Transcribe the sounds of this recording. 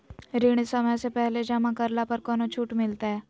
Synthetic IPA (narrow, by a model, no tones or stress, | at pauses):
ɾiɽ̃isəmjãsepəɦled͡ʑəmakəɾlapəɾkɔñot͡ɕʰuːʈmilt̪a